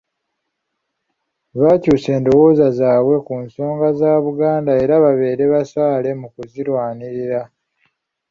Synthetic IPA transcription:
βacuːse̞ːndo̞wo̞ːzazaːβwe̞kunso̞ːŋɡazaːβuɡaːndae̞ɾaβaβe̞ːɾe̞βasaːle̞mukuziɾwaːniɾiɾa

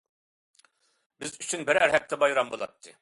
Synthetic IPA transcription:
bizyt͡ʃʰynbɛɾæɾɦɛk̚t̪ʰɛbajɯɾambulˠa̰t̪ʰːɪ

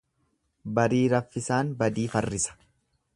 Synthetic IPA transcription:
bɐɾiːɾɐfːɪsaːnbɐd̪iːfɐrːɪsɐ̥

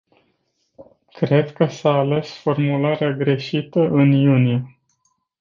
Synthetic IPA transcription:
kɾe̞d̪kəsaːle̞sfo̞rmulaɾeaɡɾe̞ʃit̪əʔɨnjunije

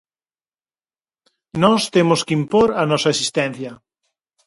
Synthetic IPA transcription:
nɔst̪emoskimpoɾɐnɔsɐesist̪ɛ̃n̟θjɐ

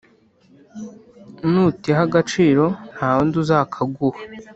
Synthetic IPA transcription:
nutiɦaɡat͡ʃiːɾo̞n̥haːwonduzaːkʰaɡuha

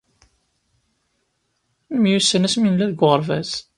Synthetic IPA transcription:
mjusːənæsminlæðəɡʁəɾvæz

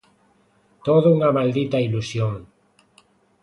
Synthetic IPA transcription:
t̪oðuuŋamald̪it̪ailusjoŋ

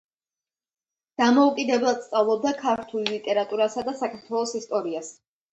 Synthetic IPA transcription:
d̪̥amɔukʼid̪ɛblˠad̪st̪sʼavlˠɔb̚d̪akʰaɾt̪ʰullit̪ʼɛɾat̪ʼuɾasad̪asakʰaɾt̪ʰwɛlˠɔsist̪ʼɔɾias

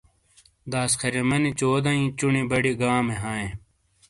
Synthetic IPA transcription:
d̪aːskʰɐɾemɐnit͡ɕoːd̪ɐ̃ĩːt͡ɕunibɐɽiɡãːmeɦaːẽː

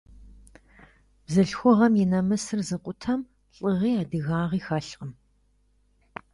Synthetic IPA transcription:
b̥zɨɬxʷʊʁɐmjɪnɐmɨsɨrzɨqʷʼʊtʰɐm | ɬʼɨʁiːaːdɨɣaːʁiːxɐɬqəm

